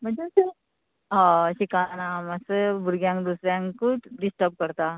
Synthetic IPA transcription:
m̤əɳd͡zesə | ɦãɕikanaməsəbʱuɾɡjãŋkd̪usɾjãŋkkuːʈɖisʈəɾp̚kəɾt̪a

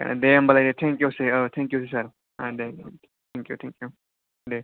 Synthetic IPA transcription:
ka̰na̰d̪embɐlad̪et̪ʰɛ̃ŋkjuːseət̪ʰɛ̃ŋkjuːsisɐɾ | ad̪e | t̪ʰɛ̃ŋkjṵt̪ʰɛ̃ŋkju | d̪e

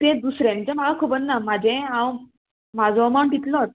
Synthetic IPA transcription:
t̪ẽd̪usɾjãnt͡ɕemaɡakʰubənːam̤ad͡ʑɛ̃ãw | mad͡zɔmaɳʈ̪it̪lɔt̪

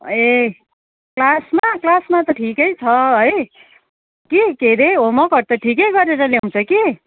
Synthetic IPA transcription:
e | klasmaklasmat̪ʌʈʰikʌjt͡sʰʌɦʌj | kikeɾeomʌkʌɾt̪ʌʈʰikʌjɡʌɾeɾʌlew̃t͡sʰʌki

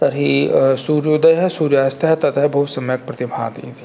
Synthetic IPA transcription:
t̪ɐɾɦisuːɾjod̪ɐjɦɛsuːɾjaːst̪ʰɐɦɛt̪ɐt̪ɦɛbɐɦut̪sɐmjək̚pɾɐt̪ɪbʱa̰ːd̪ḭt̪ʰi̥

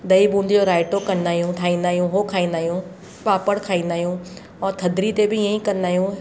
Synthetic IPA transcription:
d̪ɐibũːn̆d̪ɪd͡ʑoɾaːɪʈokɐnd̪aːɦjũʈʰaːĩːnd̪aːɦijũɦoːkʰaːĩːnd̪aːɦijũ | paːpəɽkʰaːĩːnd̪aːɦijũ | ɔt̪ʰɐd̪ɾit̪ebɪɪə̃ĩkɐ̃nd̪aːɦijũ

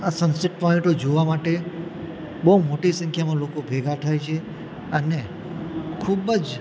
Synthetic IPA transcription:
asənsɪʈ̚pɔĩɳʈod͡ʒoʋamaʈe | bəɦumoʈisə̃ŋkʰjamãlokobʱeɡʱat̪ʰajt͡ʃʰe | əne | kʰubəd͡ʒ

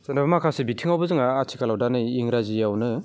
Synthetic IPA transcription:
senabɐmakʰasebitʰiŋawbɯzɯŋaːt͡ʃʰikalawdanɯiŋɾazijawnɯ

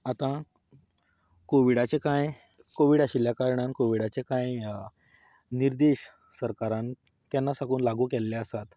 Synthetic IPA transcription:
at̪ã | koʋiɽat͡ɕekãj | koʋiːɽaɕiljakaɾɳãnkoʋiɽat͡ɕekãj | niɾd̪eɕ | səɾkaɾãn | kjanːasakuːnlaɡuːkɛlːeasat̪

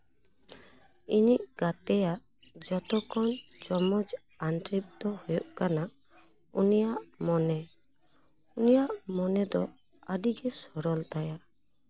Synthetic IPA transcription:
iniʔɡ̥at̪ɛjaʔ | d͡ʒɔt̪ɔkɔnd͡ʒɔmɔd͡ʒ | ant̪ɾip̚d̪ɔhujɔʔkana | ṵnijaʔmɔnɛ | unijaʔmɔnɛd̪ɔ | aɖiɡɛsɔɾɔlt̪aja

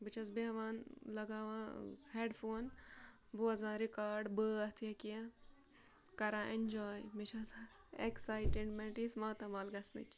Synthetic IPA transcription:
bɨt͡ʃʰɐs̬beɦʋaːnlɐɡaːʋãːheːɖfoːn | buɐzãːɾikaːɾɖbəɐt̪ʰijɐkija | kɐɾãːʔend͡ʒɔːjmet͡ʃʰɐs | eksaːjʈeɖmɛʈismaːt̪ɐmaːlɡɐsnɨ̰t͡ʃ

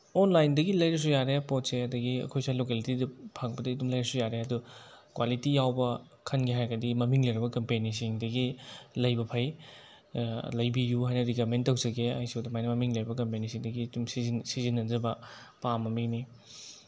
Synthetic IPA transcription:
onlajndɐɡilɐjɾɐs̬ujaɾepɔtseɐdɐɡiɐ̰kʰojsalokelitidɐpʰaŋbɐdɐidumlɐjɾɐsujaɾeɐdukwalitijawbɐ | kʰɐnɡiɦajɡɐdimɐmiŋlɐjɾɐbɐkɐmpenisiŋdɐɡilɐjbɐpʰɐj | lɐjbijuɦajnɐɾikamentːɐwzɐɡea̰jsewdɐmajnɐmɐmiŋlɐjɾbɐkɐmpenisiŋdɐɡiːdumsizinsizinːɐnzɐbɐ | pamɐmiŋni

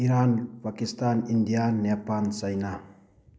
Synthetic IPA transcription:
iɾanpakist̪anind̪ijannːapansajna

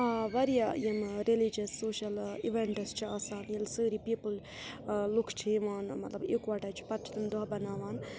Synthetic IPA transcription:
aʋɐɾijajemɾelid͡ʒɐsːoːʃɐlḭʋeɳʈst͡ʃʰiaːsaːnijɐlsəːɾipiːpəl | lukʰt͡ʃʰiiʋaːnmɐt̪lɐbekʋaʈaːt͡ʃʰi̥pɐt̪ʰt̪imd̪ɔɦbɐnaːʋaːn

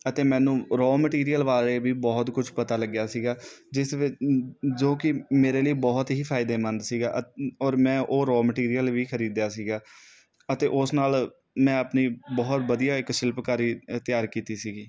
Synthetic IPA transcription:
ət̪eːmɛ̃ːnũːɾoːməʈiːɾijəlʋaːɾeːʋiːbɔːt̪kʊd͡ʒʰpət̪aːləɡjaːsiːɡaːd͡ʒɪs | d͡ʒoːkɪmeːɾeːləiːbɔːt̪ɦiːpʰaːɪd̪eːmənd̪siːɡaːʔɔːɾmɛ̃ːʔoːɾoːməʈiːɾijəlʋiːkʰəɾiːd̪jaːsiːɡaː | ət̪eːʔʊsnaːl | mɛ̃ːəpniːbɔːt̪ʋəd̪ijaːɪkʃɪlpkaːɾiːt̪ɪjaːɾkiːt̪iːsiːɡiː

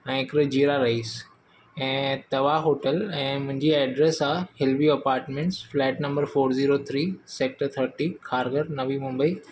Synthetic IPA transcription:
ɛ̃ːɪkɾəd͡ʑiːɾaɾɐɦiːs | ɛ̃ːt̪ɐʋaɦoːʈəlɛ̃ːmʊ̃ɦɪ̃ɲd͡ʑiɛːɖɾesaːhɪlʋiɐpaːɾʈmẽɳʈsflɛːʈnɐ̃mbəɾfoːɾziːɾot̪ʰɾiːseːk̚ʈəɾt̪ʰəɾʈikʰaːɾɡəɾnɐʋimʊ̃mbəiː

